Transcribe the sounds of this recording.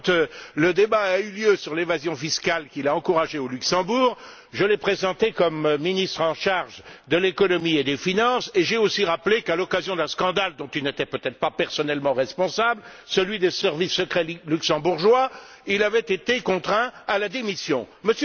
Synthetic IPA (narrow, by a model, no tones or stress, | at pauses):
t̪ləd̪ebaːyljøsyʁlevazjɔ̃fiskalkʲilaɑ̃kuʁaʒeolyksɑ̃buːʁ | ʒəlɛpχezɑ̃t̪ekɔmːinist̪χɑ̃ʃaʁʒd̪əlekɔnɔmied̪efinɑ̃seʒeosiʁaplekalɔkazjɔ̃d̪ɛ̃skɑ̃d̪ald̪ɔ̃t̪ilnet̪ɛpøt̪ɛt̪χə̥papɛʁsɔnɛlmɑ̃ʁɛspɔ̃sablsəlɥid̪esɛʁvisːəkχɛlyksɑ̃buʁʒwa | ilavɛt̪et̪ekɔ̃t̪χɛ̃alad̪emisjɔ̃məs